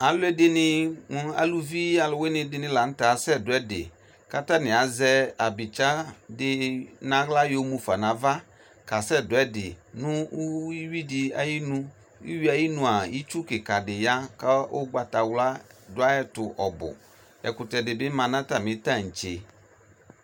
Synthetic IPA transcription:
a˨lʊ˦ɛ˦dɪ˦nɪ̃˦ŋ˦a̰˨lu˦vi˦a˨lʊ˨˦we˦nɪ̃˨dɪ˨nɪ̃˦la˨n̩˦ta˨˦sɛ˦˨dʊ˨˦ɛ˦dɪ̰˨ | ka˦ta˦nɪ̃˨a˨zɛ˦a˨bɪ˨t͡ʃa˦dɪ˨nã˨˦ɣla˦jo˦mũ˨fa˨nã˨va˦ | ka˨sɛ˦dʊ˨ɛ˦dɪ˨nʊ̃˦i˦wi˦dɪ˨a˨ji˦nũ˦ | ḭ˦wi˦a˨ji˦nũ˨a˨ji˦t͡ʃu˦kɪ˨ka˨dɪ˨ja˦ka˦o̰˦ɡ͡ba˨ta˨wla˦dʊ˦a˦ɛ˦tʊ˨ʔɔ˨bʊ̰˨ | ɛ̰˨kʊ˨tɛ˨dɪ˨bɪ˦mã˨nã˦ta˦˨mɪ̃˨ta˦ŋ̩˨t͡ʃe˨

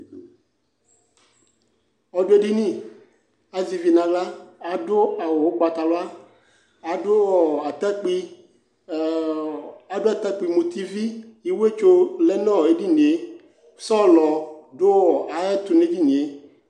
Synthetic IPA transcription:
ɔ˨ɖo˦e˦ɖi˦nĩ˦˨ | a˨zi˨vi˨nã˨la˦a˨ɖʊ˦a˨wo˨wo˦ɡ͡ba˨t̪a˨lo˦a˦ | a˨ɖʊ˦wɔ˨a˨t̪a˦k͡pi˦ | a˨ɖʊ˦a˨t̪a˦k͡pi˨mu˨t̪i˦vi˦ji˦wo˦e˦t͡ʃo˦lɛ˦nɔ̃˦˨e˦ɖi˦ni˨e˦ | sɔ˦˨lɔ˨ɖo˦wɔ˨a˨ɛ˦t̪u˨ne˦d͡ʑi˦ɲ˨e˦

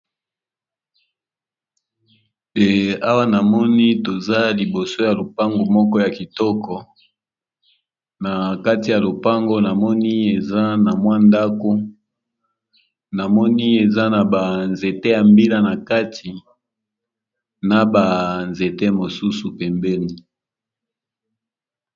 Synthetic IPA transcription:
e˨a˦wa˦na˨mɔ˦ni˦to˨za˦li˨bo˨so˦ja˨lo˨pa˦ŋɡo˨mɔ˦kɔ˦ja˨ki˨tɔ˦kɔ˨ | na˨ka˦ti˨ja˨lo˨pa˦ŋɡo˦na˨mɔ˦ni˦e˨za˦na˨mwa˦nda˦ko˦ | na˨mɔ˦ni˦e˨za˦na˨ba˨nze˨te˦ja˨mbi˦la˦na˨ka˦tʰi˨ | na˨ba˨nze˨te˦mo˨su˦su˨pɛ˨mbɛ˦ni˨

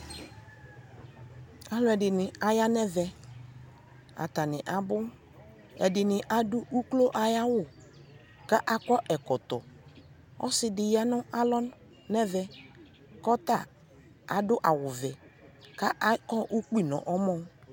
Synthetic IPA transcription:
a˨lʊ˦ɛ˨dɪ˨nɪ˨a˨ja˦nɛ˦vɛ˨ | a̰˨ta˨nɪ˨ʔa˨bʊ˦ | ɛ̰˨dɪ˨nɪ˨ʔa˨dʊ˦ʔu˦klo˦ʔa˨ja˦wʊ˦˨ | ka˦ʔa˨kɔ˦ʔɛ˨kɔ˨tɔ˨ | ɔ̰˦sɪ˨dɪ˨ja˦nʊ˦a˦lɔ˦ | nɛ˦vɛ˦ | kɔ˦t̪a˦˨ | a˨dʊ˦ʔa˨wʊ˨vɛ˨ka˦ʔa˦kɔ˦ʔu˦k͡pi˦˨nɔ̰̃˨ʔɔ˦mɔ˦

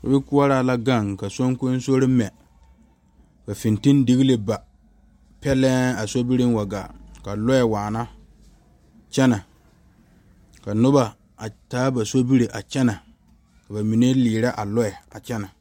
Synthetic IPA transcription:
ka̰˨bɪ˦ku˦a˦ɾaː˦˨la˦ɡa˦˨ŋka˨so˦ŋ˦kʊ˦n˦so˦ɾɪ˦mɛ˨ | ka˨fɪ˨nti˦n˦di˦ɣi˦le˦ba˨ | pɛ˦lɛ˦a˨so˦bi˦ɾɪ˦n˦wa˨ɡa̰˨ka˨lɔ˦jɛ˨waː˨na˦ | t͡ʃɛ˦na˨ | ka˨nʊ˦ba˨ | a˨taː˦ba˨so˦bi˦ɾe˨ʔa˨t͡ʃɛ˦na˨ | ka˨ba˨mi˨ne˦liː˨ɾa˦ʔa˨lɔ˦ɛ˨a˨t͡ʃɛ˦na˨

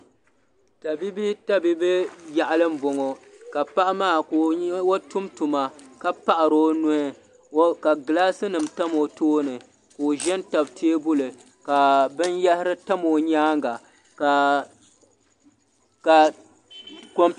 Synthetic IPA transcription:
ta˨bi˦bi˦ta˦bi˦be˦ja˨ʔa˦lɨ˦m̩˦bo˨ŋo˨ | ka˨pa˦ʔa˦maː˦˨kːwo˦tu˦mtu˨ma˨ka˦pa˦ʔa˨ɾo˦nʊ˦hɪ˦ | ka˨ɡɨ˨laː˦sɨ˦nɨ˨mta˦mo˨toː˦nɨ˨ | koː˨ʒɛ˦nta˨btʰe˦e˦bʊ˦lɨ˨ | ka˨bɨ˦njɛ˦hɪ˦ɾɨ˦ta˦mo˨ɲaː˦ŋɡa˨ | ka˨ | ka˨ | ko˦m

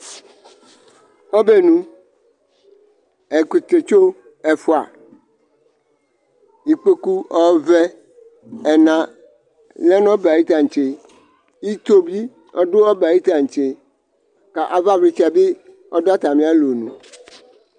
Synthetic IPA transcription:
ho˦be˦nũ˦ | e˨ku˨t̪e˨t͡ʃo˦ | e˨fo˦a̰˨ | i˨k͡pe˦ku˦ɔ˦vɛ˦ | ɛ˨nã˨ | lɛ˦nɔ̃˦ba˨ji˦t̪a˨ŋ̩˨t͡ʃe˦ | i˦t̪o˦bi˦ | ɔ˦ɖo˦ɔ˦ba˨ji˦t̪ã˨ŋ̩˨t͡ʃe˦ | ka˨ʔa˨va˦vɾi˦t͡ʃɛ˨be˦ | ɔ˦da˦t̪a˨mĩ˦a˦lo˨nṵ̃˨

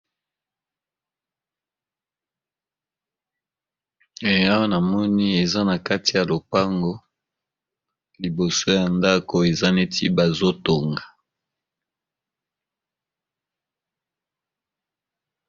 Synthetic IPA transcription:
e˨ja˦wa˦na˨mɔ˦ni˦e˨za˦na˨ka˦ti˨ja˨lo˨pa˦ŋɡo˦ | li˨bo˨so˦ja˨nda˦ko˨e˨za˦ne˦tʰi˦ba˨zo˦to˨ŋɡa˨

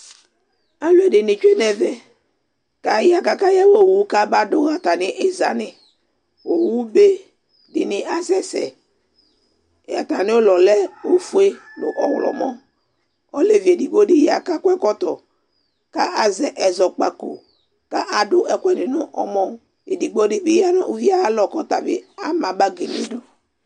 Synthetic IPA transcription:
a˦lʊ˦ɛ˨dɪ˨nɪ˨t͡ʃu˦e˦nɛ˨vɛ˦ | ka˨ja˨ka˨ka˦ja˦wo˨wu˨˦ka˦ba˦dʊ˦a˨t̪a˨nɪ˦ʔɪ˦za̰˨˦nɪ˦ | o˨wu˦be˦ | dɪ˨nɪ˨a˦sɛ˦sɛ̰˨ | a̰˨t̪a˨nɪ˦o˦lɔ˨lɛ˦o˦fu˦e˦lʊ˨ʔɔ˦wlɔ̰˨mɔ˦ | ɔ˦le˨ve˨di˨ɡ͡bo˦di˦ja˨ka˦kʷɛ˦kɔ˦t̪ɔ˨ | ka˦ʔa˨zɛ˦ʔɛ˨zɔ˨k͡pa˨ko˨ | ka˦ʔa˨dʊ˦ʔɛ˦˨kʷɛ˦dɪ˨nʊ˦ʔɔ˦mɔ˦ | e˨di˨ɡ͡bɔ˦dɪ˦bi˦ja˦nʊ˦ʔo˨vi˦a˦lɔ˨kɔ˦t̪a˨bɪ̰˦a˨mã˨ba˦ɡe˨nɪ̰˦dʊ˦

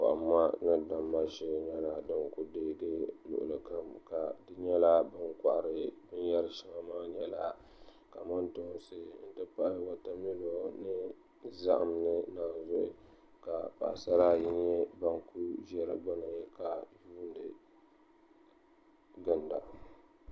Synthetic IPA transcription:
pa̰˨ʔa˨mːa˦nɨ˦da˨mːa˦ʃɪ˦˨ɲɛ˦la˨dɨ˦ŋkʊ˦deː˦ɡɨ˦nʊ̰˨ʔʊ̰˨lɨ˨ka˦mka˨dɨ˦ɲɛ˦la˦bɨ˦ŋkʷa̰˨ʔɾɨ˨bɨ˦n˦jɛ˦ɾɨ˨ʃɪ˨ŋa˨maː˦ɲɛ˦la˦ | ka˨ma˦nto˦nsɨ˦n̩˨tɨ˦pa˦ʔwa˨ta˦mi˦lo˨nɨ˦ | za˦ʔa̰˨mnɨ˦naː˨n˦zɔ˦ʔɪ˦ | ka˨pa̰˨ʔsa˦ɾa˦ji˦ɲɛ˦ba˦ŋku˦ʒɛ˦ɾɨ̰˨ɡ͡ba˦nɨ˨ka˨juː˦n˦dɨ˨ | ɡɨ˦nda˨

